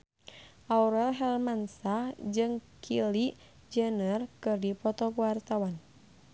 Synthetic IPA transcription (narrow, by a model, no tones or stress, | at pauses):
ʔauɾɛlɦɛlmansad͡ʒɨŋkʰili | d͡ʒənərkɨrdipɔt̪ɔɡuwart̪awan